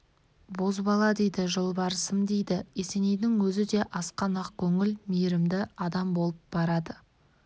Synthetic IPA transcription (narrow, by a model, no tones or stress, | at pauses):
bo̞zbɑlˠɑd̪e̞jd̪ɪʒəlˠbɑɾəsəmd̪ejd̪ɪe̞se̞nejd̪ɪŋwɵzɪd̪e̞ʔɑsqɑnɑq̚kʲʰɵŋɪlmijɾɪmd̪ɪɑd̪ɑmbo̞lˠəp̚bɑɾɑd̪ə